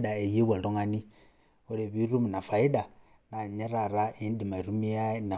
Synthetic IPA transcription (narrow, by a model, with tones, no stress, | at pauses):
da˨e˨je˦βwa˨lɔ˦ŋa˨ni˦ | o˦ɾe˨βi˦ɾu˦mi˨na˨fa˨i˦da˨ | na˨ɲɛ˦ɾa˨ɾa˦ʔi˦n˦di˨ma˨ɾu˦mi˦a˦na˨